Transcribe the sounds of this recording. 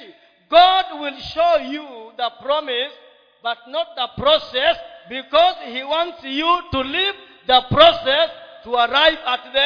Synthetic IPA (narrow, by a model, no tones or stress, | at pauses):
ɡɑd̚wɪlˠʃoʊjuðəpɹ̥ɑmɪs | b̥ʌt̚nɔt̪̚ðəpɹɔsɛsbikɔzhiwɑ̃ntsjutuliv | ðəpɹɔsɛstʰuəɹaɪvət̚ðɛ̃